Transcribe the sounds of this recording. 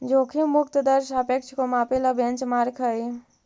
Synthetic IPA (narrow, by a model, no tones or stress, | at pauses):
d͡ʒokʰimukt̪əd̪əɾʃapekt͡ʃʰkomapeləbent͡ʃmaɾkʰəj